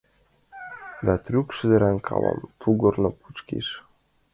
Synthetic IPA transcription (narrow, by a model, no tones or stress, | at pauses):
d̪ɑt̪rʲykʃɘ̆d̪ɘ̆ɾænkʰɑ̰lɑ̰mt̪ʰuɡŏrnɤ̆pu̥t͡ɕkḭʃ